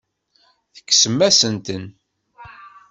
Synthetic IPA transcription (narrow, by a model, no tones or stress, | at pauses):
θə̥kːsəmːæsənt̪ən